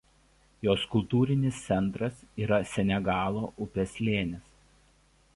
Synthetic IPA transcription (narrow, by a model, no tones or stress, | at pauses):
joːskʊlˠˑt̪uːɾʲɪnʲɪst̪sʲɛnˑt̪ɾɐsiːɾɐsʲɛnʲɛɡɑːlˠoːʔʊpʲɛsʲlʲeːnʲɪs